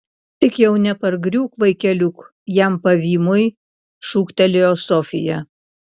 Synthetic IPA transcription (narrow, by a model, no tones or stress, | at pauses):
t̪ʲɪkjɛʊnʲɛpɐɾɡɾʲuːkʋɐɪkʲɛlʲʊk | jæmpɐʋʲiːmʊj | ʃuːkt̪ʲɛlʲɪjoːsɔfʲɪ̰jɛ